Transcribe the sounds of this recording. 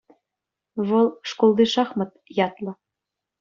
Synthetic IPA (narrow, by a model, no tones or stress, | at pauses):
βɤ̆lˠʃkolˠd̪eʃɑχmɤ̆t̪jɑt̪lɤ̆